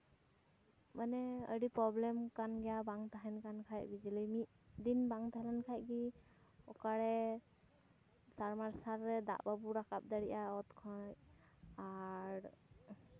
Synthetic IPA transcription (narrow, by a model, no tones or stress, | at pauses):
manɛə̰ɽipɾɔblɛmkanɡɛjabaŋt̪aɦɛnkankʰaj̚bid͡ʒilijmit̪̚d̪inbaŋt̪ʰaɦɛlankʰaj̚ɡi | ɔkaɽɛ | saɹmaɹsaɾːɛd̪a̰ʔbabuɾakap̚d̪aɽiʔaɔt̪kʰɔj | aɾ